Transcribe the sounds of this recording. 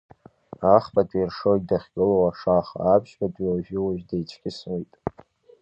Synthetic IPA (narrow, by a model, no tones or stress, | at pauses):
aχbʼatʼirʂoj̚daχʲɡʲʼɨlowaʂaχa̰ːpʰʃbatʼiwaʒᶣɪwaʒdejt͡ʃʰɡ̥ʲɪsmijtʼ